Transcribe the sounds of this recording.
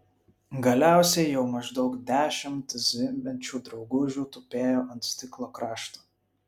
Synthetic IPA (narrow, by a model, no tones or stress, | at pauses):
ɡɐlʲæˑʊsʲɛɪjɛʊmɐʒd̪ɒʊkd̪ʲæːʃʲɪmt̪zʲɪmʲmʲɛnʲt͡ʃʲuːd̪ɾɒʊɡʊʒʲuːt̪ʊpʲeːjoːʔɐnt̪sʲt̪ʲɪklˠoːkɾɑːʃt̪u̥